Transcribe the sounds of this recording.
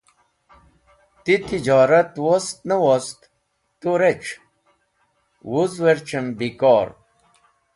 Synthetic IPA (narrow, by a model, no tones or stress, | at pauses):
t̪it̪id͡ʑɑːɾɐt̪wost̪nəwost̪ | t̪uɾet͡ɕ | wuzweɾt͡ɕɐmbikɔːɾ